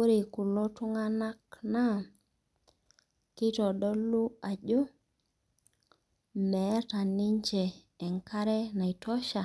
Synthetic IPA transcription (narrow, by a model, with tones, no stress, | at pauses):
o˦ɾi˨ku˨lo˦tu˦ŋa˦na˦kna˦ | ki˦tɔ˨ɗɔ˦lu˦a˨d͡ʒo˦ | mɛ˨˦ta˨ni˦ɲt͡ʃeː˨ | ŋka˦ɾe˦na˨i˨tɔ˦ʃa˨